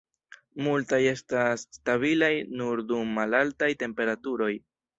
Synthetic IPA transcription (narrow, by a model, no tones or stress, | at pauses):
multaje̞stasːtaβilajnuɾdumːalaltajte̞mpe̞ɾatuɾo̞j